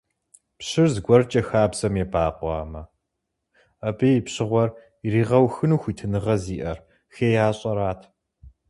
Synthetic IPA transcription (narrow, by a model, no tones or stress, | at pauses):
pɕɪrzɡʷɔrt͡ʃʼɐxaːbzɐmebaːqʷɑ̰ːmɐ | ɐbijipɕɪʁʷɔr | iriːʁɐwxɨnuːxʷiːtʰɨnɨʁɐziːʔɐr | xeːjaːɕʼɐɾaːtʰ